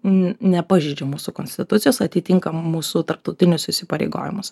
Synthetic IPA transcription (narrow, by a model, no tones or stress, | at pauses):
nʲɛpɑːʒʲɛɪd͡ʒʲɛmuːsuːkoːnʲsʲt̪ʲɪt̪ʊt̪ʲɪjoːsɐt̪ʲɪt̪ʲɪŋkɐmuːsut̪ɐɾp̚t̪ɐʊt̪ʲɪnʲʊsɪʃʲsʲɪpɐɾʲɛ̰ɪɡo̰ːʋʲɪ̰mʊs